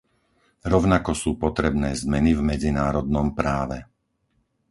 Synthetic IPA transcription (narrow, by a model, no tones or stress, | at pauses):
ɾɔʊnakɔsuːpɔt̪ɾɛbnɛːzmɛnivmɛd͡zinaːɾɔd̪̚nɔmpɾaːʋɛ